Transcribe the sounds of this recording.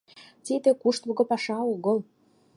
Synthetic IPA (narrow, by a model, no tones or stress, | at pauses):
t̪id̪ĕkuʃt̪βə̆ɣŏpɑʃɑoɣə̆l